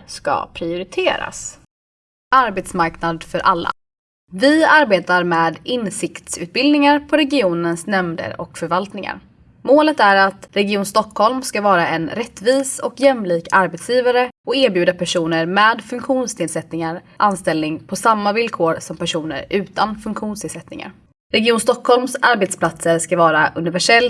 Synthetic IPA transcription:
ska̰pʰɾɪʊɾɪt̪ʰeːɾa̰s | aɾbeːt̪smaɾknad̪fœɾʔalːa̰ | vɪaɾbeːt̪aɾmeːd̪ɪnsɪkt̪sʉ̟ːt̪̚bɪld̪nɪŋaɾpʰɔɾɛɡɪuːnənsnɛmd̪ə̰ɾɔ̰kfœɾvalt̪nɪŋa̰ɾ | moːlət̪æɾat̪ɾɛɡɪuːnst̪ɔkʰːhɔlmskavɑːɾaɛnɾɛt̪ːviːsɔkjɛmliːkaɾbɛːt̪sjiːvaɾəɔkeːɾbjʉːd̪apʰæʂuːnəɾmɛːd̪fɵŋkɧuːnst̪ʰɪːlsɛt̪nɪŋaɾ | ʔanst̪ɛlnɪŋpʰɔsamːavɪlkʰoːɾsɔmpæʂuːnə̰ɾʉ̟ːt̪anfɵŋkɧuːnst̪ʰɪːlsɛt̪nɪ̰ŋa̰ɾ | ɾɛɡɪuːnst̪ɔkʰːhɔlmsaɾbɛt̪spʰlat̪səɾskavɑːɾaʔɵnɪvæʂɛlː

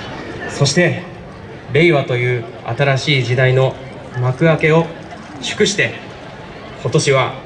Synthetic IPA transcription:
so̞ɕi̥t̪e̞ | be̞iβat̪o̞jɯ̟ː | a̰t̪aɾaɕiːʑid̪aino̞ | makɯ̟ake̞o̞ | ɕɨ̥kɯ̟ɕi̥t̪e̞ | ko̞t̪o̞ɕiβ̞a

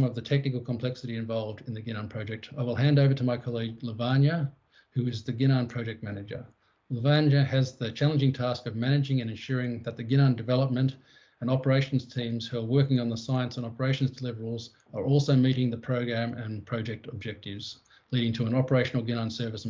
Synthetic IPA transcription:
mʌvðɨtʰɛk̚nɨkl̩ˠkʰmpʰl̥ɛksɨɾiɨ̃ɱvɑlˠvdɨ̃nðɨɡɪ̃ñɑ̃npʰɹ̥ɑʊd͡ʒɛk̚taɪwəlˠɦæ̃ndoʊvə˞ɾəmaɪkʰɑlˠiɡləvænjɨ | hʉɪzðɨɡɪ̃ñɑ̃npʰɹ̥ɑd͡ʒɛk̚t̚mænɨd͡ʒə̰˞ | ləvæ̃njɨɨzðɨt͡ʃʰælˠə̃nd͡ʒɪ̃ŋtʰæskʌvmænɨd͡ʒɪ̃ŋɨ̃nɨ̃nʃʊɹɪ̃ŋðɨt̪̚ðɨɡɪ̃ñə̃ndɨvɛlˠəp̚mɨ̃nt | ɨ̃nɑpə˞eɪʃn̩z̥tʰĩmz̥hʉə˞wɜ˞kɪ̃ŋə̃nðəsaɪɨ̃nsə̃nɑpə˞eɪʃn̩zdəlɪvə˞l̩ˠz | ə˞ʔɔlˠsoʊmiɾɪ̃ŋðɨpʰɹ̥oʊɡɹæ̃mɨ̃npʰɹ̥ɑʊd͡ʒɛk̚təb̚d͡ʒɛk̚tɪvz̥ | liɾɪ̃ŋtʰəə̃nɑpə˞eɪʃn̩l̩ˠɡɪ̃ñɑ̃nsɜ˞vɨs

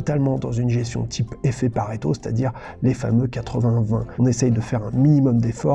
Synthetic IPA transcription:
ɔt̪almɑ̃d̪ɑ̃zynʒɛst̪jɔ̰̃t̪ʰipefɛpaʁet̪ose̥t̪a̰d̪iʁ | lefa̰møkat̪χəvɛ̃vɛ̰̃ɔ̃nesɛjd̪əfɛʁɛ̃minimɔmd̪efɔ

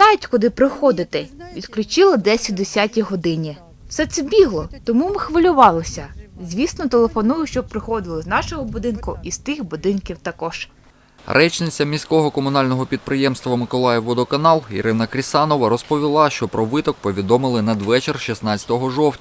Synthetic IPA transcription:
nɑʋʲitʲkʊd̪ɪpɾɪxɔd̪ɪt̪ɪʋʲid̪klʲʊt͡ʃɪlˠɐd̪ɛsʲɐt̚ʲd̪esʲatʲiɦɔd̪ɪnʲi | wsɛt̪sɛbʲiɦlˠɔt̪ɔmumɪxʋɐlʲʊʋɑlˠɔsʲɐzʲʋʲisnɔt̪elˠefɔnujʊʃt͡ʃɔpɾɪxɔd̪ɪlˠɪznɑʃɔɦɔbʊd̪ɪnkʊist̪ɪxbʊd̪ɪnkʲiwt̪ɐkɔʒ̥ | ɾʔɛt͡ʃnɪt͡sʲːɐmʲisʲkɔɦɔkɔmʊnɑlʲnɔɦɔpʲid̪̚pɾɪjɛmst̪ʋɐmɪkɔlˠɑjɛwːɔd̪ɔkɐnɑlˠḭɾɪnɐkɾʲisɑnɔʋɐɾɔspɔʋʲilˠɑʃt͡ʃɔpɾɔʋɪt̪ɔk̚pɔʋʲid̪ɔmɪlˠɪnɐd̪ʋɛt͡ʃerʃisnɑt͡sʲɐ̥t̪ɔɦɔʒɔwtʲɐ

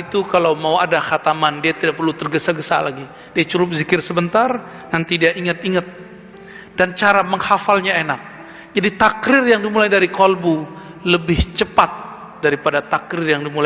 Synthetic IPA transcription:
it̪ukalawmauadaxat̪amandiat̪idaʔ̚pərlut̪ərɡəsaɡəsa̰la̰ɡi | d̥iat͡ʃuɾʊp̬̚zikɪrsəbənt̪ar | nant̪idiaʔiŋət̪iŋət̪̚ | d̥ant͡ʃaɾaməŋhafalɲaenak̚ | d͡ʒadit̪akɾɪrjaŋdimulajdaɾikɔlbu | ləbɪht͡ʃəpat̪̚ | d̥aɾipadat̪akɾɪrjaŋdimula

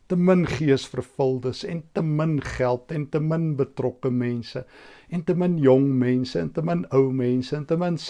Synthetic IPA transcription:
təmənχiəsfərfəlˠdəsɛ̰ntəmənχælˠtɛntəmənbətrɔkəmɛnsəɛntəmənjɔŋmɛnsəɛntəmənəwmɛnsəːntəməns

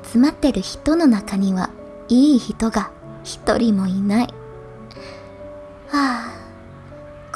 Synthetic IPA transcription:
t͡sɨmat̪ːe̞ɾɯ̟çi̥t̪o̞no̞nakaɲ̟iβa̰ | iːçit̪o̞ɡa | çi̥t̪o̞̰ɾʲimo̞inai | aː | k

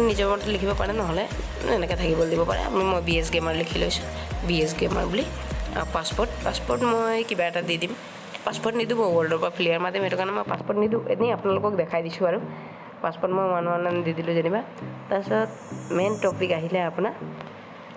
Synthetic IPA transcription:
nizɔmɔttlikʰibɔpaɹɛnɔɦɔlɛ | ɛnɛkɛt̪ʰakibɔldibɔpa̰ɹɛ̰a̰mmojbies̬ɡemaɹlikʰilojsʊ̥biɛs̬ɡema̰ɹbulia̰paspɔɹt̚paspɔɹtmojkibaɛtadidim | paspɔɹtnidubɔwɔldɔɹpapʰiliaɹmadʱjɔmɛtʊkaɹnɛmojpaspɔɹtnidueniapʊnalʊkɔk̚dɛkʰajdisʊ̃aɹʊ | paspɔtmojmanuanandidilʊ̃zaniba | tasɔɔt̪̚ | mɛntɔpikaɦilɛapuna

